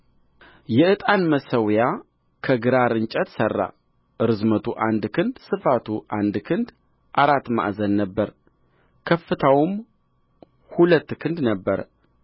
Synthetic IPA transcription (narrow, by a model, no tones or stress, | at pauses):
jɛʔɨt̪ʼanməsəwja | kʰəɡɨɾaɾɨnt͡ʃʼət̪sərːa̰ | ɨɾɨzmət̪ʰuʔand̪kʰɨnd̪sɨfat̪ʰuʔand̪kʰɨnd̪ | ʔaɾat̪ːma̰ʔzənːəbːəɾ | kʰəfːɨt̪ʰawm | hulət̪ːkʰɨnd̪nəbːəɾ